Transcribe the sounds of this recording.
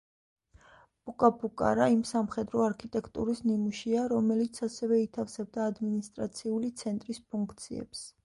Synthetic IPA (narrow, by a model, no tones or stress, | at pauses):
b̥ukʼapʰukʼa̰ɾaimsamχɛd̪ɾɔaɾkʰit̪ʼɛkʰt̪ʼṵɾisnimuʃiaɾɔmɛlit̪sʰasɛvɛit̪ʰafsɛb̚d̪aːd̪minist̪ʼɾat̪sʰiulit̪sʰɛnt̪ʼɾispʰuŋkʰt̪sʰiɛ̰ps